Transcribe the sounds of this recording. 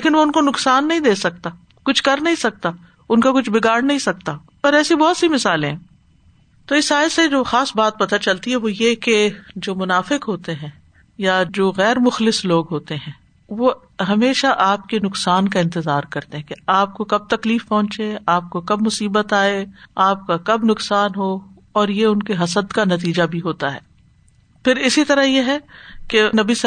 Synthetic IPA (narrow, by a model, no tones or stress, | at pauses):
lleːkɪnʋoʊnkonʊksaːnːɐɦĩd̪eːsɐk̚t̪a | kʊt͡ʃʰkɐɾnɐɦĩsɐk̚t̪a | ʊnkakʊt͡ʃʰbɪɡaːɽnɐɦĩsɐk̚t̪a | ɔːɾɛːsibɔɦːt̪simɪsaːlẽɦɛ̃ | t̪oɪsaːɪsed͡ʒoːxaːsbaːt̪̚pɐt̪at͡ʃɐlt̪iɦɛʋojeked͡ʒoːmʊnaːfɪkɦoːt̪eɦɛ̃ː | jad͡ʒoːɣɛːɾmʊxlɪsloːɡɦoːt̪eɦɛ̃ː | ʋo | ɦɐmeːʃaʔaːp̚kenʊksaːnkaɪ̃nt̪ɪzaːɾkɐɾt̪eɦɛ̃keaːp̚kokɐb̚t̪ɐkliːfpɐɦʊ̃nt͡ʃeaːp̚kokɐb̚mʊsiːbət̪aːeaːp̚kakɐbnʊksaːnɦo | ɔːɾjeʊnkeɦɐsəd̪kanɐt̪iːd͡ʒabʱiɦoːt̪aɦɛ̰ː | pɪɾɪsit̪ɐɾajeɦɛkenɐbis